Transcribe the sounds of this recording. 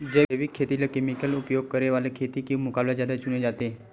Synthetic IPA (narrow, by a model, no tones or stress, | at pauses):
d͡ʑeeʋikʰːet̪ilakemikəlupjoɡ̚kəɾeʋalekʰet̪iːkĩmukablad͡ʑad̪at͡ʃuned͡zat̪e